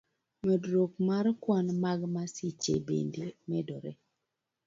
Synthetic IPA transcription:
medɾokmaɾkwanmaɡmasit͡ʃḛbḛndemɛdɔɾɛ̰

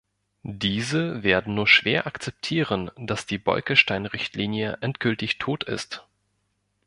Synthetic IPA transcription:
d̥iːzəveːɐdn̩nuːɐʃv̥eːɐʔakt͡sɛp̚tʰiːʁənd̥asd̥iːbɔ̰ʏkəʃtaɪnʁɪçtliːnjəʔɛntɡ̥ʏltɪçtʰoːtɪ̰st

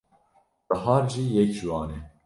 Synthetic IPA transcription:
b̥əɦɑːɾʒiːjɛkʒwɑːnɛ

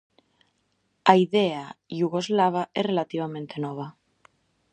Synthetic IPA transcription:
aiðeajuɣozlaβ̞aʔesrelat̪iβ̞amẽnt̪e̞noβ̞a

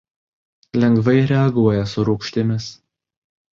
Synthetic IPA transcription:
lʲɛŋɡʋɐɪɾʲɛɐɡuɔjɛsʊɾuːkʃʲt̪ʲɪmʲɪs

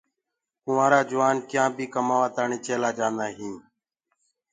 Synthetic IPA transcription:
ɦʊʋãːɾaːd͡ʒʊʋaːnkjãːbʱiːkəmaːʋãːt̪aːɳiːt͡ʃʰeːlaːd͡ʒãːnd̪aːɦĩː

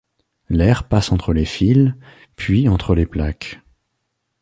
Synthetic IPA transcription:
lɛʁpasɑ̃t̪χəlefil | pɥiɑ̃t̪χəleplak

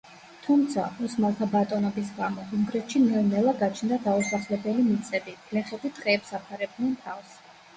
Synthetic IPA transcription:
t̪ʰumt̪sʰa̰usmalˠt̪ʰabat̪ʼɔnɔbis̬ɡamɔuŋɡɾɛt̪ʃimɛɾnɛlˠaɡat͡ʃʰnd̪ad̪ausaχlɛbɛlimit̪sʼɛbilɛχɛd̪it̪ʼqʼɛːpsapʰaɾɛb̪nɛnt̪ʰafs

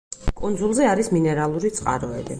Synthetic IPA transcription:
kʼund̪zulˠzɛaɾisminɛɾalˠuɾit̪sʼqʼa̰ɾɔɛbi

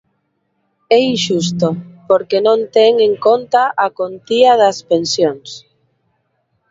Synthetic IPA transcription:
ɛiʃust̪opoɾkenõnt̪ɛŋeŋkont̪aʔakont̪iaðɐspensjoŋs

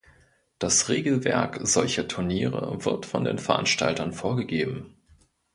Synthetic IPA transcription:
d̥asʁeːɡl̩vɛ̰ɐkz̥ɔlçɐtʰʊɐniːʁə̰vɪɐtfɔndḛːnfɛɐʔa̰nʃta̰ltɐnfoːɐɡəɡeːbm̩

